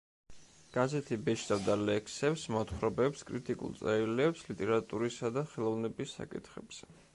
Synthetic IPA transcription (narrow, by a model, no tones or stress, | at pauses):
ɡ̥azɛt̪ʰibɛt͡ʃʰt̪ʼavd̪alɛkʰsɛpsmɔt̪ʰχɾɔbɛpskʼɾit̪ʼikʼṵlˠt̪sʼɛilɛpslit̪ʼɛɾat̪ʼuɾisad̪aχɛlˠɔvnɛbisːa̰kʼḭt̪ʰχɛbz̥ɛ